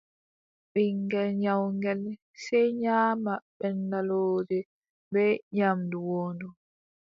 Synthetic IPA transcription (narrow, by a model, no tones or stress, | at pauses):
ɓiŋɡɛlɲawŋɡɛl | sɛjɲaːmaɓɛnːaloːd͡ʒɛ | bɛɲamduwoːndu